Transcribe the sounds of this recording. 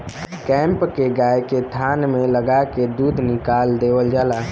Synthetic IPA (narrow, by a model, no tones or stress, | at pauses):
kɛ̃mpkeɡajket̪ʰanmeləɡaked̪uːd̪ʱnɪkald̪ewəld͡ʒaːla